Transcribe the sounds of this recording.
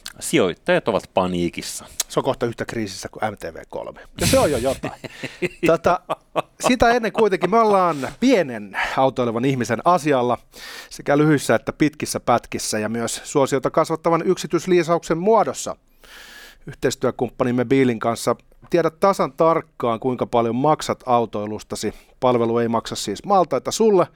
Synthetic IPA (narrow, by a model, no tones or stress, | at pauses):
sio̰it̪ːɑjɑt̪oʋɑt̪pɑniːkisːɑ̥seoŋkoht̪ɑyht̪ækriːsist̪ækuʔæmt̪ḛːʋḛːko̰lmejɑseojjojot̪ɑ̰it̪ot̪ɑ | sit̪æenːeŋkuit̪eŋkimøolːɑːnpienenɑut̪oileʋɑnihmisenɑsiɑlːɑsekælyhyisːæet̪ːæpit̪kisːæpæt̪kisːæjɑmyøssuosijoit̪ɑkɑsʋɑt̪ːɑʋɑnyksit̪ysliːsɑuksemmuɑdosːɑ̰ | yht̪eist̪yækumpːɑnimːebiːliŋkɑnsːɑ | t̪iɛɾætt̪ɑsɑnt̪ɑrkːɑːŋkuiŋkɑpɑljommɑksɑt̪ɑut̪oilust̪ɑsi | pɑlʋelueimɑksɑssiːsmɑːlt̪ɑit̪ɑsulːe